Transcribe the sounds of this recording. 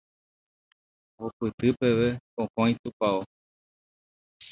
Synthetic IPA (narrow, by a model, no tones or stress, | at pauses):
ʋokɨt̪ɨpe̞ʋe̞pokõj̃t̪upao